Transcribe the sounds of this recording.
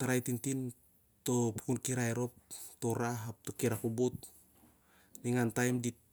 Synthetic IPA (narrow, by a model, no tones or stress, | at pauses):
taɾajtintin | to̞pu̥kunkiɾajɾo̞p̚toɾaɦap̚tokiɾakubut̚ | niŋantajmdit̚